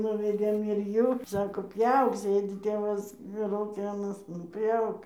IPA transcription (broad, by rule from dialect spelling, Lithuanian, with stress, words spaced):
nʊʋʲɛˈdʲeːm ɪr ˈjuː ˈsɑːkoː ˈpʲjɛʊk ˈsʲeːdʲɪ ˈtʲeːʋɐs lˠɐʊˈkʲɪ ɐˈnɐs nʊ ˈpʲjɛʊk